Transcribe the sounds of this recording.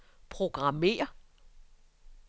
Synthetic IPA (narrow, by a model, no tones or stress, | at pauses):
pʰʁo̝ɡ̥ʁɑ̈me̝̰ːɐ